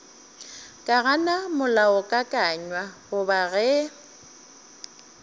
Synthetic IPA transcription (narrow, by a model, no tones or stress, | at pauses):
kʼaɣanamʊlaʊkʼakʼaɲwahʊbaɣɛ